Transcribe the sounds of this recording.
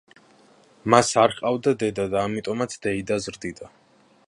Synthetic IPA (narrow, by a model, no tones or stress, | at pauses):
masaɾχʼavd̪ad̪ɛd̪ad̪aːmit̪ʼɔmat̪sʰd̪ɛid̪azɾd̪id̪a